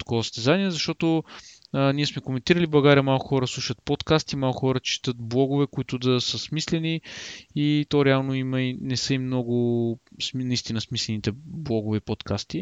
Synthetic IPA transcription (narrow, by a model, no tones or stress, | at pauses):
t̪ɐ̥kɔvəsst̪ɛzaniɛzɐʃt̪ɔt̪oəniɛsmɛkomɛnt̪iɾəliblˠɐɡaɾiəmalˠkʊxɔɾəslˠuʃət̪̚pot̪kast̪imalˠkʊxɔɾət͡ʃi̥t̪ət̪̚blˠɔɡʊvɛkʊit̪ʊd̪ɐsəsmislɛniit̪ɔɾɛalˠnoimɐinɛsəimnɔɡʊsnɐist̪inəsmislɛnit̪ɛblˠɔɡʊvɛpot̪kast̪i